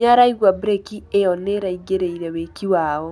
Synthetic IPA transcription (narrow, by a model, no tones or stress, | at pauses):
aɾaiɣwabɾekiejɔneɾaiɡeɾeiɾɛwekiwaːɔ